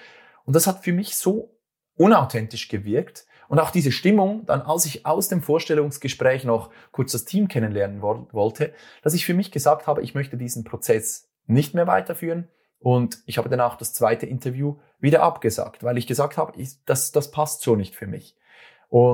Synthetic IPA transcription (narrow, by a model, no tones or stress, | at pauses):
ʊntd̥ashatfyːɐmɪçz̥oː | ʊnaʊtʰɛntɪʃɡ̥əvɪɐkt | ʊndaʊxd̥iːzəʃtɪmʊŋd̥a̰nʔalsɪçaʊsd̥eːmfoːɐʃtɛlʊŋsɡ̥əʃpʁɛːçnɔχ | kʰʊɐt͡sd̥astʰiːmkʰɛnənlɛɐnənvɔltʰəd̥as̬ɪçfyːɐmɪçɡ̥əzaːk̚thaːbəʔɪçmœçtədiːzn̩pʁ̥ot͡sɛs | nɪçtmeːɐvaɪtɐfyːʁən | ʔʊndɪçhaːbədɛnaʊxd̥ast͡sv̥aɪtəʔɪntɐvjuː | viːɾɐʔapɡ̥əza̰ːktvaɪlɪçɡ̥əzaːk̚tha̰ːbəʔɪd̥asd̥aspʰastz̥oːnɪçtfyːɐmɪ̰ç | ʔʊ